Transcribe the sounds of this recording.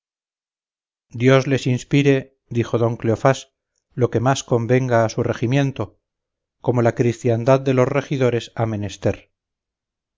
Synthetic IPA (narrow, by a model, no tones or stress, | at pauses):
d̪jo̞zle̞sinspiɾe̞ | ðixo̞ðo̞ŋkleofas | lo̞ke̞masko̞mbe̞ŋɡaːsure̞ximje̞nt̪o̞ | ko̞mo̞lakɾist̪jand̪aðd̪e̞lo̞sre̞xiðo̞ɾe̞same̞nest̪e̞ɾ